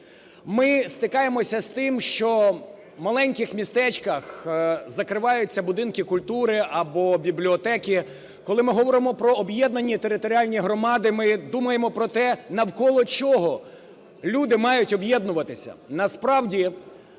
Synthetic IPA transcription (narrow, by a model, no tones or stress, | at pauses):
mɪst̪ɪkɑjemɔsʲɐst̪ɪmʃt͡ʃɔ | mɐlˠɛnʲkɪxmʲist̪ɛt͡ʃkɐxzɐkɾɪʋɑjʊt͡sʲːɐbʊd̪ɪnkɪkʊlʲt̪uɾɪɐbɔbʲiblʲiɔt̪ɛkʲi | kɔlˠɪmɪɦɔʋɔɾɪmɔpɾɔːbjɛd̪nɐnʲːit̪e̞ɾɪt̪ɔɾʲiɑlʲnʲijɦɾɔmɑd̪ɪmɪd̪umɐjemɔpɾɔt̪ɛnɐwkɔlˠɔt͡ʃɔɦɔ | lʲud̪ɪmɑjʊtʲɔbjɛd̪nʊʋɐt̪ɪsʲɐ̰nɐspɾɑwdʲi